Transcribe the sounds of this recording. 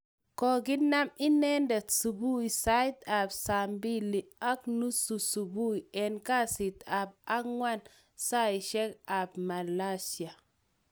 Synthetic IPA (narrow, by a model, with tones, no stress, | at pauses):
kɔ˨ɡi˦na˦mi˦nɛ˦ndɛ˨tsu˨bu˦i˨sa˦i˦ta˨bsa˨mbi˦li˨a˦knu˦su˨su˨bu˦i˨ɛ˨nka˦si˨t̪a˨b̚a˦ŋwa˦n | sa˦i˨ʃɛ˦ka˨b̚ma˨la˦si˨a˨